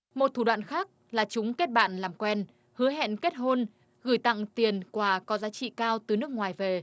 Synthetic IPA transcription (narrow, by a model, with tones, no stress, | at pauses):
mo˨˩t̚t̪ʰu˧˩ɗwa̰ː˧˨nxaː˦˥k̚ | laː˨˩t͡ɕʊ˨˦ŋ͡mke˦˥t̚ɓa̰ː˧˨nlaː˨˩mkwɛ˧n | hɨ˨˦əɦɛ̰˧˨nke˦˥t̚ɦo˧n | ɣɨ˧˩jt̪a̰˧˨ŋt̪i˨˩ənkwaː˧˩kɔ˨˦zaː˨˦t͡ɕḭ˧˨kaː˧wt̪ɨ˨˩nɨ˦˥ək̚ŋwaː˨˩jve˨˩